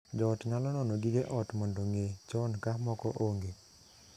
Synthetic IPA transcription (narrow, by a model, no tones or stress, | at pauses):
d͡ʒɔtŋalɔnɔnɔɡiɡeʔɔtmɔndoŋet͡ʃɔnkamɔkɔʔoŋɡe